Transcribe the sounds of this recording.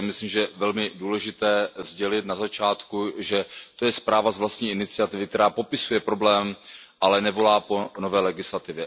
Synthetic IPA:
mɪsliːmʒɛvɛlmɪduːlɛʒɪt̪ɛːzɟɛlɪt̪nazat͡ʃaːt̪kuʒɛt̪o̞jɛspɾaːvazvlast̪ɲiːʔɪnɪt͡sɪat̪ɪvɪkt̪ɛɾaːpo̞pɪsujɛpɾo̞blɛːmʔalɛnɛvo̞laːpo̞no̞vɛːlɛɡɪslat̪ɪvjɛ

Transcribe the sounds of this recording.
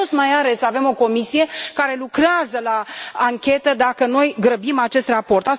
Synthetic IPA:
ot̪smajale̞save̞mo̞ko̞misije̞kaɾe̞lukɾeazəlaːŋkʲe̞t̪əd̪akəno̞jɡɾəbimat͡ʃe̞st̪rapo̞rt̪a

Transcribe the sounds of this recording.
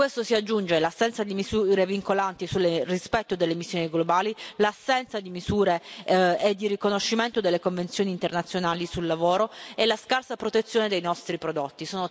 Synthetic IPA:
kwest̪osiad͡ʒːund͡ʒelasːɛnt̪sad̪imizuɾeviŋkolant̪isulːerispɛt̪ːod̪elːemisːjoːniɡlobaːlilasːɛnt̪sad̪imizuːɾeed̪ːirikonoʃːiment̪od̪elːekoɱvensjoːniːnt̪ernat̪sjonaːlisulːavoːɾoelaskarsapɾot̪et̪sːjoːned̪ejnɔst̪ɾipɾod̪ot̪ːisoːno

